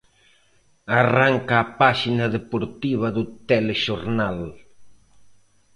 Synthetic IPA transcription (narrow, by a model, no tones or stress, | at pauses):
araŋkaːpaʃinaðepoɾt̪iβ̞ɐðʊt̪eleʃoɾnal